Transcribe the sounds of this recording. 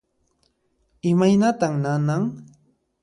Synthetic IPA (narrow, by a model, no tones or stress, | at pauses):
ɪmajnat̪aŋnanaŋ